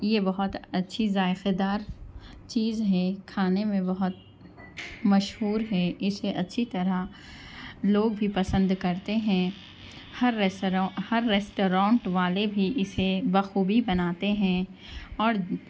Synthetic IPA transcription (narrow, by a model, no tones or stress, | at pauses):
jebɐɦʊt̪ɐtːʃʰizaːɪqed̪aːɾt͡ʃiːzɦɛkʰaːnemẽbɐɦʊt̪̚ | mɐʃɦuːɾɦɛɪseʔɐtːʃʰit̪ɐɾa | loːɡ̚bʱipɐsə̃nd̪kɐɾt̪eɦɛ̃ | hɐɾeɾ̃hɐɾːeːsʈoːɾãːɳʈʋaːlebʱiʔɪsebɐxuːbibɐnaːt̪eɦɛ̃ | ɔːɾ